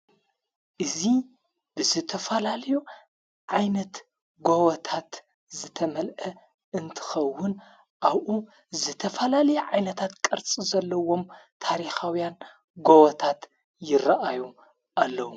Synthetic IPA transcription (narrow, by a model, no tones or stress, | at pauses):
ʔɨzi | bɨzɨt̪ʰɐfɐlalɐju | ʕajnɐt̪ | ɡowɐt̪ʰat̪ | zɨt̪ʰɐmɐlʔɐ | ɨnt̪ʰɨ̥xɐwːʊn | ʔaβʔu | zɨt̪ʰɐfɐlalɐjuʕajnɐt̪ʰat̪kʼɐɾt͡sʼizɐlːɐwo̞mt̪ʰaɾixawjan | ɡowɐt̪ʰat̪ | jɪɾɐʔaju | ʔalːɐwu